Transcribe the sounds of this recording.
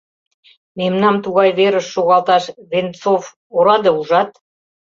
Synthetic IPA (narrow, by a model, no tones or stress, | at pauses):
memnɑmt̪uɣɑjβeɾəʃːoɣɑlt̪ɑʃvent͡sof | oɾɑd̪euʒɑt̪̚